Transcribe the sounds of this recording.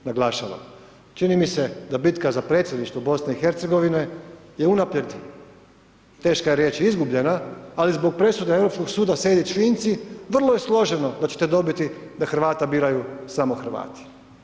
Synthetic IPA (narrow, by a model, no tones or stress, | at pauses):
naɡlˠaːʃaʋa̰ | t͡ʃinimise̞d̪abit̪kazapɾe̞t̪sʲjed̪niʃt̪ʋobo̞sne̞ixe̞ɾt̪seɡo̞ʋine̞jeunapljeɾt̪i | t̪e̞ːʃkajeɾje̞ːt͡ʃizɡubʎe̞naːlizbo̞ɡ̚pɾe̞sud̪eevɾo̞psko̞ɡsuːd̪ased̪it͡ʃʋiːnt̪siʋr̩lˠo̞je̞slˠo̞ʒeno̞d̪at͡ɕe̞̥t̪ed̪o̞bit̪id̪axr̩ʋaːt̪abiːɾajusamoxr̩ʋa̰ːt̪i̥